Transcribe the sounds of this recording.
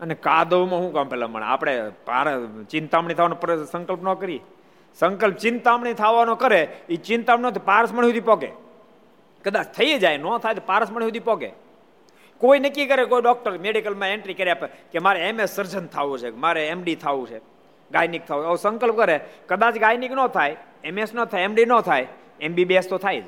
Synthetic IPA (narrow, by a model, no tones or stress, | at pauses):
ənekad̪əʋmãɦũkãmpɛla̰mə̰ɳ̃ḛa̰pɽ̃epa̰ɾt͡ʃɪ̃nt̪amɳit̪ʰaʋanõpɾsə̃ŋkəlpnokəɾi | səŋkəlp̚t͡ʃɪnt̪amɳ̃it̪ʰaʋanokəɾeit͡ʃɪ̃nt̪amɳnot̪ipaɾəsməɳ̃iɦud̪ipɔɡḛ | kəd̪at͡ʃt̪ʰəjed͡ʒajnot̪ʰajt̪opaɾəsməɳ̃iɦud̪ʱipɔɡḛ | koinəkːikəɾekoiɖɔk̚ʈəɾmeɖikəlmãẽɳʈɾikəɾiapekemaɾeemesːəɾd͡ʒənt̪ʰaʋũt͡ʃʰemaɾeemɖit̪ʰaʋũt͡ʃʰe | ɡajnik̚t̪ʰaũəʋsəŋkəlp̚kəɾekəd̪at͡ʃɡajniknət̪ʰaj | emesnət̪ʰajemɖinət̪ʰaj | embibest̪ot̪ʰajd͡ʒ